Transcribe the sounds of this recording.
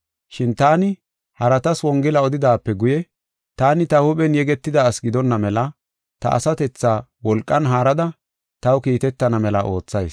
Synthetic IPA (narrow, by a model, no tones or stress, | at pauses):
ʃɪnt̪aːnɪ | hɐɾɐt̪ɐswɔŋɡɪlɐɔd̪ɪd̪aːpːɛɡʊjɛ | t̪aːnɪt̪ɐhʊɓɛnjɛɡɛt̪ːɪd̪aːsɡɪd̪ɔnːɐmɛlɐ | t̪ɐ̰ʔːsɐt̪ɛt͡sːaːwɔlkʼːɐnɦaːɾɐd̪ɐ | t̪ɐwkiːt̪ɛt̪ːɐnɐmɛlɐʔo̞ːt͡sːɐjs